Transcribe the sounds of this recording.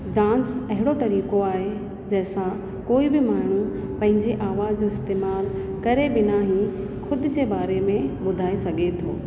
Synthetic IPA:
ɖãːnsɐɦɪɽ̃ot̪ɐɾiːkoaːɦe | d͡ʑɐɦɪsã | koːibɪmaːɽ̤̃u | pɐ̃ɦɪ̃ɲd͡ʑeʔaːʋaːzd͡ʑoːɪst̪eːmaːl | kɐɾebɪnaːɦĩ | xʊd̪ʊ̆d͡ʑebaːɾemẽɓʊd̪ʱaːesɐɡʱet̪ʰoː

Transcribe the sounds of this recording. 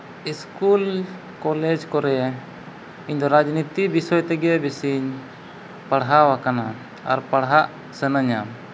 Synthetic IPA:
iskul | kɔlɛd͡ʒkɔɾɛ | iɲd̪ɔɾad͡ʒnit̪ibisɔjt̪ɛɡɛbisiɲ | paɽɦawakana | a̰ɾpaɽɦaʔ | sɛnəɲam

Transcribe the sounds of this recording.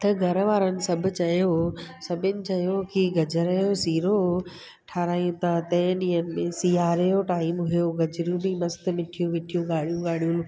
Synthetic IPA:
t̪ɐɡʱɐɾʋaːɾənɪ̆sɐbʱʊ̆t͡ɕɐjosɐbʱɪnɪ̆t͡ɕɐjokiɡɐd͡ʑʱəɾəjosiːɾo | ʈʰaːɾaːjũt̪ʰat̪ɐ̃ɦɪ̃ɗĩːənɪ̆mẽsiːaːɾejoʈaːɪmɦʊjoɡɐd͡ʑɾũbimɐst̪̆mɪʈʰijũʋɪʈʰijũɡaːɽijũɡaːɽijũl

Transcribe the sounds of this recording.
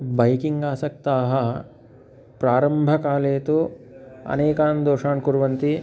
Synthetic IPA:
bɐjkiŋɡaːsɐk̚t̪aːɦɐ | pɾaːɾɐmbʱɐkaːleːt̪uɐ̰neːkaːnd̪oːʂaːɳkuɾʋɐnt̪i

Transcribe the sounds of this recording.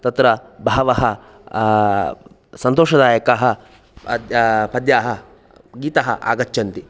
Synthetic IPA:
t̪ɐt̪ɾɐbʱaːʋɐɦɐ | sɐnt̪oːʃɐd̪aːjɐkaːɦɐ | pɐd̪jaːɦɐ | ɡiːt̪ɐɦɐ̰ʔa̰ːɡɐt͡ʃːt͡ʃɐnt̪i

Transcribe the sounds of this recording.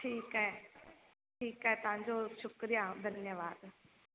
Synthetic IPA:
ʈʰiːkɦe | ʈʰiːkɦet̪ɐɦãɲd͡ʑoʃʊkɾijad̪ʱɐnjəʋaːd̪

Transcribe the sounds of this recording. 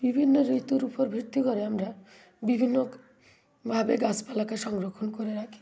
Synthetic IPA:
b̥ibʱinːɔɾit̪uɾupʰɔɾbʱiɾt̪ikɔɾeamɾa | bibʱinːɔ | bʱabeɡaspalakasɔŋɡɾɔkʰːɔnkɔɾeɾakʰi̥

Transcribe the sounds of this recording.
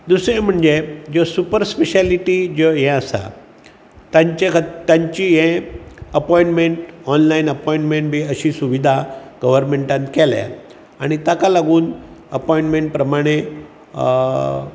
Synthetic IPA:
d̪usɾẽm̤əɳd͡zed͡ʑosupəɾspeɕaliʈid͡ʑoɦɛ̃əsa̰ | t̪aɲt͡ɕekʰət̪ːãɲt͡ɕiɦẽəpɔĩɳʈmeɳʈɔnlainəpɔĩɳʈmeɳʈ̚bʱiːəɕiːsuʋid̪ʱaɡəʋ̤əɾmeɳʈãnt̪kɛla̰ | aɽ̃it̪akalaɡuːn | əpɔĩɳʈmeɳʈ̚pɾəmaɽ̃e

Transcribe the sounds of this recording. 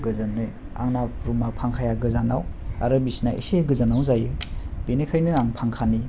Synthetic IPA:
ɡɯzanːɯj | a̰ŋnaɾumapʰaŋkʰajaɡɯzanawa̰ɾɯbisnaʔḭseɡɯzanawzajɯb̥enekʰajnɯaŋpʰaŋkʰani

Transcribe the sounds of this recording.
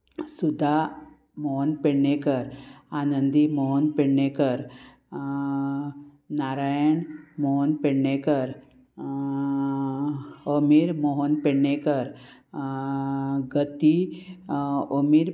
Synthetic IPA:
sud̪ʱa | mɔɦɔnpeɽnekəɾanənd̪imɔɦɔnpeɽɳekəɾ | naɾajəɳmɔɦɔnpeɽnekəɾ | omiɾmɔɦɔnpeɽɳekəɾ | ɡət̪i | omiɾ

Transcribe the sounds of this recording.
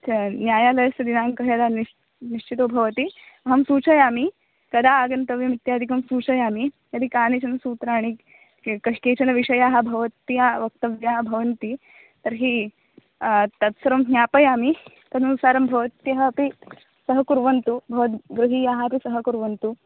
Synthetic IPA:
ɐnjaːjaːlɐjɐsɐd̪inaːŋkɐɦjɐd̪aːni | niʂt͡ʃit̪oːbʱɐʋɐt̪iɐɦɐmsuːt͡ʃɐjaːmi | kɐd̪aːɡɐnt̪ɐʋjɐmit̪jaːd̪ʱikɐmsuːt͡ʃɐjaːmi | jɐd̪ikaːnet͡ʃɐnɐsuːt̪ɾaːɽ̃i | kɐʂkeːt͡ʃɐnɐʋiʂɐjaːɦɐ̆bʱɐʋɐt̪ːijaːʋɐk̚t̪ɐʋjaːɦɐbʱɐʋɐnt̪i | t̪ɐɾɦi | t̪ɐt̪sɐɾɐmɦnjaːpɐjaːmi | k̪ɐnunsaːɾɐmbʱɐʋɐt̪jɐɦɐːpi | sɐɦɐkuɾʋɐnt̪ubʱɐʋɐt̪ɡɾuɦiːjaːɦɐɐpisɐɦɐkuɾʋɐnt̪u

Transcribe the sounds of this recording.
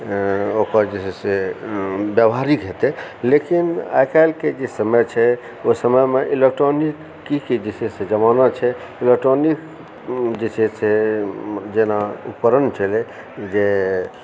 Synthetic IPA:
okəɾd͡ʒesɛse | bjəbɦaɾikɦet̪ɛlekina̰jkalked͡ʒesəməjt͡ʃʰɛ | osəməjmeʔilek̚ʈɾonikːikid͡ʒesesed͡ʒəmanat͡ʃʰɛ | ilek̚ʈɾonik | d͡ʒesʰɛse | d͡ʒenaṵpəɾənt͡ʃʰɛlɛ | d͡ʒe

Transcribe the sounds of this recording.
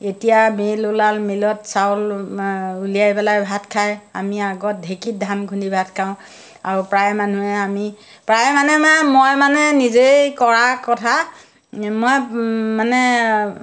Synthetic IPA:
etijamelulalmelɔtsawl | ulijajpɛlajbʱatkʰaja̰miaɡɔt̚dʱekit̚dʱamɡʰʱunibʱatkʰaʊ̃ | a̰ɹupɹajmanuɛami | pɹajmanɛmamɔjmanɛnizejkɔɹakɔtʰa | mɔjmanɛ

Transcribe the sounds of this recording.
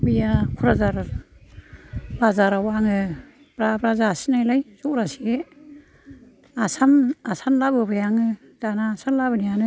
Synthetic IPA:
bijakʰuɾazaɾ | bazaɾawaŋɯ | b̥ɾabɾazasinajlajzukɾasi | asamasanlabɯbajaŋɯ | d̥anaːsanlabɯnijanɯ

